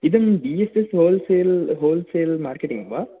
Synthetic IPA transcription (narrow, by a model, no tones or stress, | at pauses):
id̪ɐmɖiːesesɦoːlseːlɦoːlseːlmaːɾkeʈḭŋɡʋa